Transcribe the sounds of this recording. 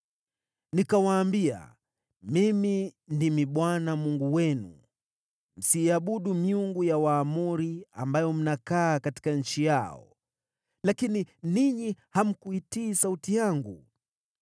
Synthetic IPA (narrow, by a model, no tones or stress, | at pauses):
nikawaːmbia̰ | mimindimiɓwanamuŋɡuwɛnṵ | m̩siaɓuɗumiuŋɡujawaːmuɾia̰mbajɔm̩nakaːkati̥kaɲ̩t͡ʃijaɔ̰ | lakininiɲiham̩kuitiːsautijaŋɡṵ